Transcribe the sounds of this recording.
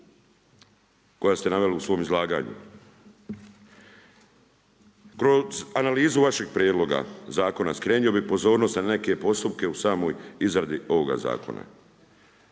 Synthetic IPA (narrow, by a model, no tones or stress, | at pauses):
kojast̪e̞naʋe̞liusʋo̞ːmizlˠaːɡa̰ːɲṵ | kɾo̞zanaliːzuʋaʃe̞ɡ̚pɾʲjeːd̪lo̞ɡa̰zaːko̞naskɾe̞ːnio̞bipo̞zo̞ːɾnost̪nane̞ke̞po̞st̪up̚ke̞usaːmo̞ːjizɾad̪io̞ʋo̞ɡa̰za̰ːko̰na̰